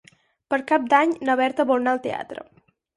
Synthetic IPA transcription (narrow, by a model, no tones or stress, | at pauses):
pəɾkap̚d̪aɲnəβɛɾt̪əβulˠnaəlˠt̪ḛa̰t̪ɾə̰